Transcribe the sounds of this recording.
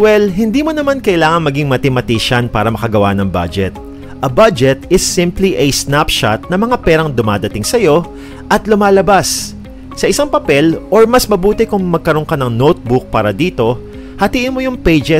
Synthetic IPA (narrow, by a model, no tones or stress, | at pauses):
wɛlɦɪnd̪iːmonɐmankɐʔɪlaːŋɐŋmɐɡiŋmɐt̪ɪmɐt̪iːʃɐnpaːɾɐmɐkɐɡɐwanɐŋba̰d͡ʒɛt̪̚ | ʔɐbad͡ʒɛt̪ɪsːɪ̃mpliʔɐsnapʃa̰t̪̚nɐmɐŋapɛːɾɐŋd̪ʊma̰ːd̪ɐt̪ɪŋsɐjo̞ | ʔɐt̪lʊmaːlɐbasː | ɐʔɪsaŋpɐpɛlʔoɹmɐsmɐbuːt̪ɪkʊŋmɐɡ̚kɐɾoŋkɐnɐŋnowt̪̚bʊk̚paːɾɐd̪iːt̪o̞ | hɐt̪iːʔɪnmo̞jʊŋpejd͡ʒɛ